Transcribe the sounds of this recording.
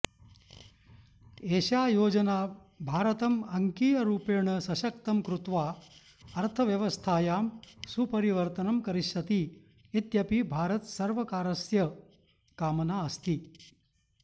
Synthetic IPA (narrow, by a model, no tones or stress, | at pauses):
eːʃaːjoːd͡ʒɐnaː | bʱaːɾɐt̪ɐmɐŋkiːjɐɾuːpeːɳɐsɐʃɐk̚t̪ɐmkɾut̪ʋaː | ɐɾt̪ʰɐʋjɐʋɐst̪ʰaːjaːmsupɐɾiʋɐɾt̪ɐnɐmkɐɾiʃɐt̪iː | t̪jɐpibʱaːɾɐt̪sɐɾʋɐkaːɾɐsjɐ | kaːmɐnaːɐst̪i